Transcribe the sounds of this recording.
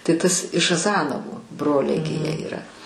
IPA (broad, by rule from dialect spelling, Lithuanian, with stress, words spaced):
tɐɪ ˈtɐs ɪʃ ɐˈzɑːnoːʋʊ ˈbroːlʲɛɪ ɡʲɪ ˈjiɛ iːˈrɐ